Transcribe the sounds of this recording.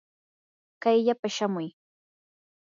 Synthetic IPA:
kajʎapaʃamʊj

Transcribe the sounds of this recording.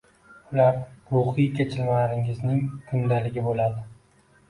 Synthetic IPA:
ʊlaɾɾuχijkʲʰet͡ʃʰɪlmalɾɪŋɪznɪŋkʰʊnd̪alɪɡʲɪbolad̪ɪ

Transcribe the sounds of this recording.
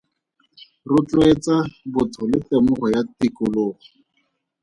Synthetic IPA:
rʊt͡ɬʊet͡sabʊtʰɔlɪtemʊχɔjatikʊloːɣɔ

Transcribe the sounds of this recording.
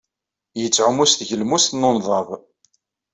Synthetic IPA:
jət͡sːʕʊmusθʝəlmust̪nonðˤɑv

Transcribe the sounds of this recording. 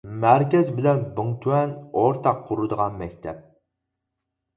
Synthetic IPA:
mæɾkʲɛzbɪlɛnbɨŋt̪ʰuwɛnoɾt̪ʰɑqʰːuɾud̪əʁɑnmɛkʲt̪ʰɛp̚

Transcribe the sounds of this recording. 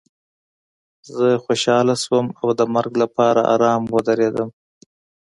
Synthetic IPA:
zəxoʃɑlaswəmawd̪əmaɾɡlapɑɾa̰ʔɑ̰ɾɑmwəd̪aɾed̪əm

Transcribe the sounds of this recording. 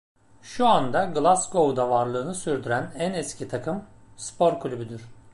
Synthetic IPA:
ʃuand̪aɡɯlˠasɡo̞ud̪avaɾlˠɯːnɯsyɾd̪yɾænænɛscʰit̪ʰakʰɯm | spʰo̞ɾkʰlʲybyd̪yɾ̥

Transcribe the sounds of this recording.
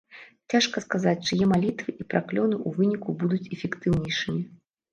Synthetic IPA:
t͡sʲaʂkɐskazat͡sʲt͡ʂɨjɛmalʲit̪vɨʔipɾaklʲɔnɨʔuvɨnʲikubud̪ut͡sʲɛfʲɛkt̪ɨwnʲejʂɨmʲi

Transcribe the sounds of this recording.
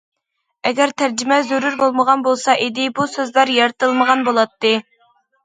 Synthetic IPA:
ɛɡʲɛɾt̪ʰæɾd͡ʒimɛzøɾuɾbolˠməʁɑnbolˠsɑʔid̪ɪbusøzlˠɑɾjɑɾt̪ʰɨlˠməʁɑnbolˠɑt̪ːɨ

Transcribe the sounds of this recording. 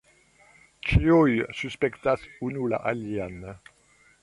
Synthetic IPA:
t͡ʃiojsyspɛkt̪asunula̰ʔaljan

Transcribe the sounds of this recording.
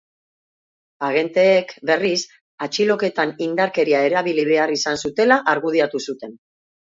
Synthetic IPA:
aɣ̞e̞nt̪e̞ːkbe̞ris | at͡ʃilo̞ke̞t̪anind̪aɾke̞ɾiae̞ɾaβiliβ̞e̞arisansut̪e̞laʔaɾɣuð̞iat̪usut̪e̞n

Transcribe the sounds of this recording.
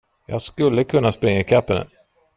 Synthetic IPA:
jɑ̰ːɡskɵlːəkʰɵnːaspɾɪŋːaɪkʰapːənə̰n

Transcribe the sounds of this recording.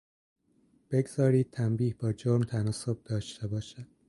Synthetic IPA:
b̥e̞ɡz̥ɒːɾiːd̪̥̚t̪ʰæmbiːhbɒːd͡ʒoɾmt̪ʰænɒːso̞b̚d̪ɒːʃt̪e̞bɒːʃæd̪̥̚

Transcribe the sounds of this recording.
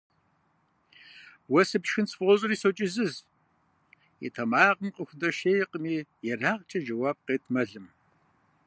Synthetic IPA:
wɐsɨpʃxɨnt͡sʰʼfʁʷɔɕʼɨriːsot͡ʃʼɪzɨz | jɛ̰tʰɐmaːʁəmqʼəxʷʊdɐʃeːjqəmiːjɛraːʁt͡ʃʼɐd͡ʒɐwaːb̚qeːtʰmɐɮɨm

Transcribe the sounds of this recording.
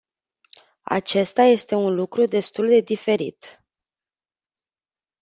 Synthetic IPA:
a̰t͡ʃe̞st̪aje̞st̪e̞unlukɾud̪e̞st̪uld̪e̞d̪ife̞ɾḭt̪

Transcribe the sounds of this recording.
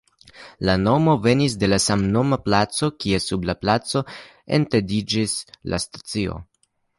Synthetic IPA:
lano̞mo̞ve̞nis̬de̞lasamno̞maplat͡so̞kie̞sublaplat͡so̞ | ḛntedid͡ʒisla̰stḁt͡sio̞̰

